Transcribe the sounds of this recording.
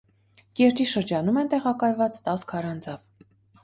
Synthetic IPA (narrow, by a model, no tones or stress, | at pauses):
kɛɾt͡ʃ̪iʃəɾd͡ʒɑnumɛnt̪ɛʁɑkɑjvɑt͡st̪ɑskʰɑɾɑnd͡zɑv